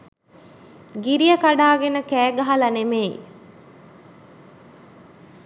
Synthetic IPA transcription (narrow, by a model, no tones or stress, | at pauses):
ɡiɾijəkaɖaːɡenəkæːɡaɦɐlɐneme